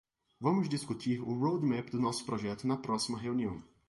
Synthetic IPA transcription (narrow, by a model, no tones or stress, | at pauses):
vɐ̃mʊzd̪iskut̪ʰiɾʊɾowd̪mɛpd̪ʊnɔsʊ̥pɾɔʒɛt̪ʊnɐpɾɔsimɐɦeuniɐ̃w̃